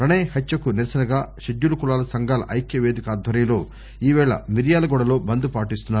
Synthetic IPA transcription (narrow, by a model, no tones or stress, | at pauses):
pɾɐɳeːjhɐt͡ʃːt͡ʃːɐkuniɾɐsɐnɐɡaːʃed͡ʒːulɐkulaːlɐsɐŋɡaːlɐ̰ʔɐjkjɐʋeːd̪ikɐaːd̪ʱʋɐɾɐmlo̞ː | iːʋɛːɭɐ̰miɾjaːlɐɡɔɽɐlo̞ːbɐnd̪upaːʈist̪unːaːɾ